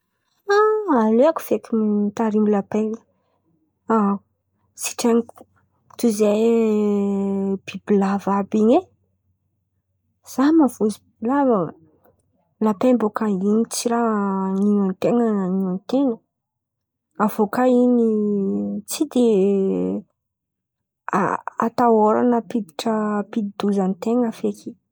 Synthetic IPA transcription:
aaleaku̥v̥ekʲimit̪aɾimilapeŋ | a | si̥ʈ͡ʂeniku̥ | t̪uze | b̥ibilavabiɲe | z̥amavozibibilavə | lapembokainit͡siɾaniant̪eŋəaniant̪eŋə | avokaini | t͡sid̪e | a̰a̰t̪aoɾa̰nəpid̪iʈ͡ʂəpid̪id̪uzanit̪eŋafekʰi

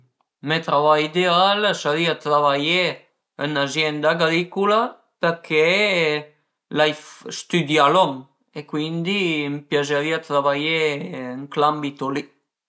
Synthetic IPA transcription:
met̪ɾavajid̪ealsaɾiat̪ɾaβaje | ənazjɛnd̪aɡɾikula | pəɾkʰe | lajfst̪yd̪jalɔŋ | ekwind̪impjazəɾiat̪ɾaβajeəŋklambit̪oli

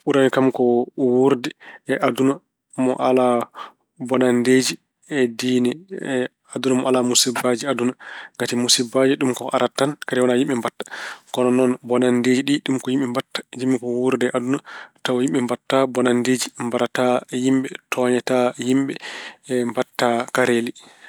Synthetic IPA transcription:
uɾanikamkɔwuɾdɛɛʔaduna | mɔ̰ʔala | bɔnanded͡ʒi | ɛdiːnɛ | adunamɔalamusibad͡ʒiadunaŋɡatimusibad͡ʒiɗumkɔʔa̰ɾatːankaɾɛwanajimɓɛmbatːḁkɔnɔnɔnbɔnandeːd͡ʒiɗiɗumkɔhimɓɛmbatːḁd͡ʒimːikɔwuɾdɛʔadunatawjimɓɛmbatːabɔnandeːd͡ʒimbaɾatajimɓɛtʰɔɲɛtajimɓɛmbatːakaɾeli

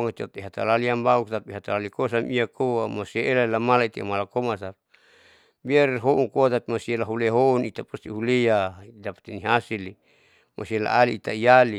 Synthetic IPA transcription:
ŋat͡ʃot̪̚iɦat̪a̰laliambauk̚t̪apiɦat̪alalikos̬amiakʰoamoseelaelamalait̪ia̰malakomasap | biarɦoʔuŋkoat̪apimasielaɦuleɦounit̪apust̪iɦuleadapḁt̪iniɦasili | mʔo̰siela̰aliːt̪aijali

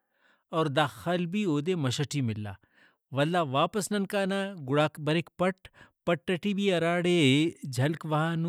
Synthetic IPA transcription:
ɔːɾd̪aːxɐlbʱiːoːd̪eːmɐʃɐʈʰiːmɪlːa̰ː | ʋɐlːaːʋaːpəsnɐnkaːnaːɡʊɽaːkbɐɾekpɐʈpɐʈːɐʈiːbʱiːɐɾaːɽed͡ʒʱɐlkʋɐɦaːn

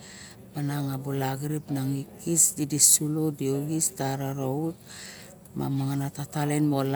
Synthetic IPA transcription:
manaŋabulaɡɾipnaŋikisdidisulodioɡistaɾaɾout̚ | ma̰maŋanatatalenmol

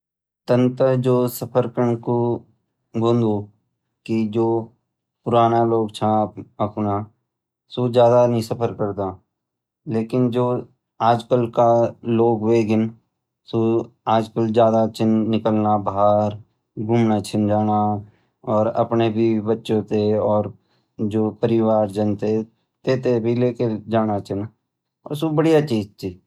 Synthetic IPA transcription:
t̪ə̃nt̪əd͡ʒoːsəpʰəɾkəɳko | ɡʱõːnd̪o | kid͡ʒoː | pʊɾaːnaloːɡt͡ʃʰãəpna | sod͡ʒjaːd̪anəɦĩsɐpʰəɾkəɾt̪aː | leːkɪnd͡ʒoː | aːd͡ʒkəlkaloːɡweːɡɪn | soaːd͡ʒkəld͡ʒjaːd̪at͡ʃɪnːɪkəlnabaɦaɾ | ɡʱʊmnat͡ʃʰɪnd͡ʒaːna | ɔːɾə̰pnebʱibətːʃõt̪eɔːɾ | d͡ʒoːpəɾɪwaːɾd͡ʒənt̪e | t̪eːt̪ebʱileːked͡ʒaːnat͡ʃʰɪn | ɔ̰ːɾsubəɽijat͡ʃiːd͡ʒt̪iː

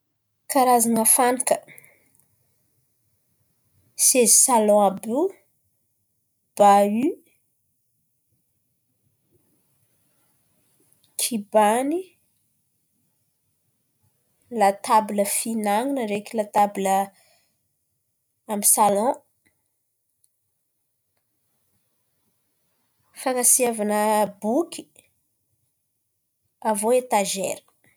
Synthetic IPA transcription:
kaɾazanəfanikə̥ | sezisalɔ̃abu | b̥ay | kʰibani | lat̪abuləfinaŋinəɾekʲilat̪abilə | amisalɔ̃ | fanasiavanəbukʲʰi̥ | avoet̪aʒḛɾə̥

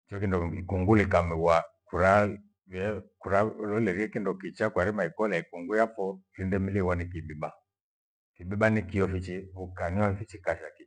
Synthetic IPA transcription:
t͡ʃɔkindɔikuŋɡulikamiwakuɾa | vɛkuɾalɔlɛɾiɛkindɔkit͡ʃakwaɾimaikɔlaikuŋɡujafɔlindɛmiliwanikibiba | kibibanikijɔfit͡ʃiβukaniwafit͡ʃikaʃaki

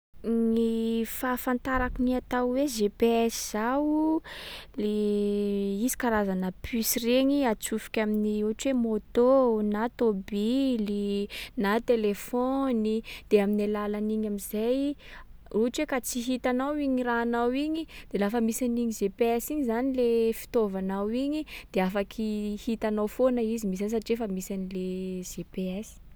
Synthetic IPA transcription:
nifafant̪aɾakuniat̪awweʒepeɛsiz̥awu | le | izi̥kaɾazanəpʰysireɲiat͡sufi̥kʲaminiuɦaʈ͡ʂuwemot̪onat̪obilinat̪elefɔnid̪̥eaminalalaniɲamizaj | uɦaʈ͡ʂwekat͡siɦit̪anawiɲiraːnawiɲid̪̥elafəmisaniɲizepeɛsiɲizanilefi̥t̪ovanawiɲid̪̥eafakʰihit̪anawfonaizimis̬anis̬aʈ͡ʂefəmisanilez̥epeɛsi̥

